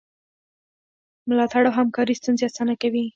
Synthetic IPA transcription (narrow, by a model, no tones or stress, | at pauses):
mʊlɑt̪aɽawɦamkɑɾist̪unzeasanakawi